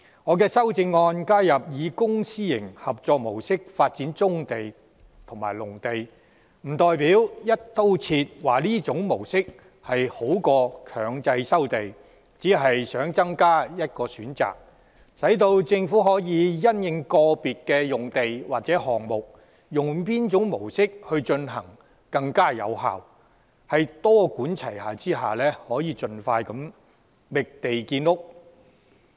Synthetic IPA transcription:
ŋɔː˨˧kɛː˧sɐ˥wt͡sɪ˧ŋːɔː˧nkaː˥jɐ˨p̚jiː˨˧kʊ˥ŋsiː˥jɪ̰˨˩ŋhɐ˨p̚t͡sɔː˨k̚mo˨˩wsɪ˥k̚faː˧t̚t͡siː˨˥nt͡sʊ˥ŋt̪e˨j | t̪ʰʊ˨˩ŋmaː˨˩jlʊ˨˩ŋt̪e˨j | m̩˨˩t̪ɔː˨jpiː˨˥wjɐ˥t̚t̪o˥wt͡sʰiː˧t̚waː˨˩liː˥t͡sʊ˨˥ŋmo˨˩wsɪ˥k̚ | hɐ˨jho˨˥wkɔː˧kʰœː˨˩ŋt͡sɐ˧jsɐ˥wt̪e˨j | t͡siː˨˥ɦɐ˨jsœː˨˥ŋt͡sɐ˥ŋkaː˥jɐ˥t̚kɔː˧syː˨˥nt͡sa̰ː˨˩k̚ | sɐ˨˥jt̪o˧wt͡sɪ˧ŋfu˨˥ɦɔː˨˥jiː˨˧˥jɐ˥njɪ˨˧ŋkɔː˧piː˨t̚kɛː˧jʊ˨ŋt̪e˨jwaː˨k̚t͡sɛː˨˥ɦɔː˨ŋmʊ˨k̚ | jʊ˨˩ŋpiː˥nt͡ʃʊ˨˥ŋmo˨˩wsɪ˥k̚hɵ˧ɥt͡ʃɵ˧nɦɐ˨˩ŋ | kɐ˧ŋkaː˥jɐ̰˨˧wɦa̰ː˨w | hɐ˨jt̪ɔː˥kuː˨˥nt͡sʰɐ˨˩jhaː˨˩t͡siː˥ɦaː˨lɛː˥hɔː˨˥jiː˨˧t͡sɵ˨˧nfaː˧jkɐ˨˥m | mɪ˨k̚t̪e˨jkiː˧nʊ˥k̚

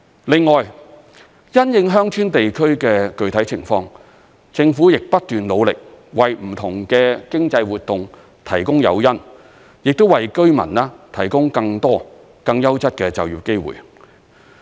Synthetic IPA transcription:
lɪ˨ŋːɔː˨j | jɐ˥njɪ˧ŋɦœː˥ŋt͡ʃʰyː˥nt̪e˨jkʰɵ˥ɥkɛː˧kɵ˨ɥt̪ʰɐ˨˥jt͡sʰɪ˨˩ŋfɔː˧ŋ | t͡sɪ˧ŋfuː˨˥jɪ˨k̚pɐ˥t̚t̪yː˨nlo˨˧wlɪ˨k̚wɐ˨jm̩˨˩t̪ʰʊ˨˩ŋkɛː˧kɪ˥ŋt͡sɐ˧jwuː˨˩t̚t̪ːʊ˨ŋ | t̪ʰɐ˨˩jkʊ˥ŋjɐ̰˨˧wjɐ˥n | jɪ˨k̚t̪o˥wɐ˨jkɵ˥ɥmɐ̰˨˩naː˥t̪ʰɐ˨˩jkʊ˥ŋkɐ˧ŋt̪ɔː˥ | kɐ˧ŋjɐ˥wt͡sɐ˥t̚kɛː˧t͡sɐ̰˨wjiː˨p̚ke˥jwṵː˨˩j

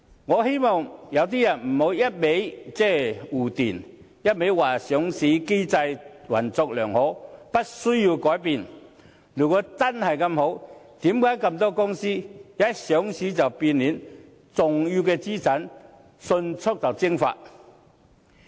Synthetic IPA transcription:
ŋɔː˨˧he˥jmɔ˨ŋjɐ˨˧wt̪̬iː˥jɐ˨˩nm̩˨˩ho˨˧˥wjɐ˥t̚me˨˥jt͡sɛː˥˨uː˨˩t̪iː˨˩n | jɐ˥t̚me˨˥jwaː˨˩sœː˨˥ŋsiː˨˥ke˥jt͡sɐ˧jwɐ̰˨˩nt͡sɔ˧k̚lœː˨˩ŋhɔ˨˥pɐ˥t̚sɵ˥ɥjiː˧wkɔː˨˥jpiː˧n | lyː˨˩kɔː˧t͡sɐ˥nhɐ˨jkɐ˧mho˨˥wt̪iː˨˥mkaː˨˥jkɐ˧mt̪ɔː˥kʊ˥ŋsiː˥jaː˨˥sœː˨˥ŋsiː˨˥t͡sɐ˨wpiː˧nliː˨˥n | t͡sʊ˨ŋjyː˧wkɛː˧t͡siː˥t͡sɐ˨˥n | sɵ˧nt͡sʰʊ˥k̚t͡sɐ˨wt͡sɪ˥ŋfa̰ː˧t̚

